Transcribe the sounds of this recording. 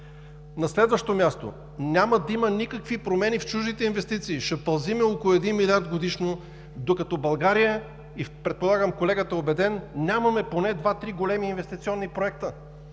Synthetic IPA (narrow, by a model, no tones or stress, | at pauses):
nɐslɛd̪vəʃt̪omʲjast̪o̰ | nʲaməd̪ɐimənikəkvipɾomɛnift͡ʃuʒd̪it̪ɛinvɛst̪it̪siːʃɐpɐlˠzimɛokolˠʊɛd̪inmilʲaɾd̪ɡod̪iʃno | d̪okɐt̪ɔbɐlˠɡaɾijə | ipɾɛt̪̚polˠaɡəmkolɛɡət̪əobɛd̪ɛnnʲamɐmɛponɛd̪vat̪ɾiɡolɛmiːnvɛst̪it̪sʲiɔnːipɾoɛk̚t̪ə